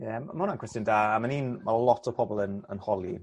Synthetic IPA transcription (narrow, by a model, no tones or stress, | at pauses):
jɛmamaʊnankʰw̥ɛstəndaːamaniːnalˠɔtʰɔ̥pʰɔbɔlˠənənhɔlˠi